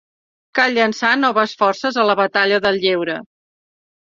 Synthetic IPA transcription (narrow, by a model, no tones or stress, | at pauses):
kalʎənsanɔβəsfɔrsəzələβət̪aʎəðəlˠʎewɾə